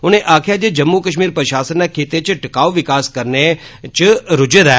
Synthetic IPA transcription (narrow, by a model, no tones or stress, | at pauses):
ʊneʔaːkʰjad͡ʒed͡ʒəmːukəʃ̬miːɾpɾəʃaːsənːakʰeːt̪et͡ʃʰʈɪkaːʋoʋɪkaːskəɾnet͡ʃɾʊd͡ʒeɾa